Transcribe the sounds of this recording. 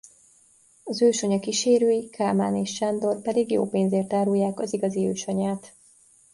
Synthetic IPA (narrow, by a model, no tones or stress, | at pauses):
ɒzøːʃɒɲɒkiʃeːɾøːjikʰaːmaːneːʃt͡ʃand̪o̞rpɛd̪iɡjo̰ːpeːnzeːrt̪aːɾujːaːkɒziɡɒziøːʃɒɲaːt̪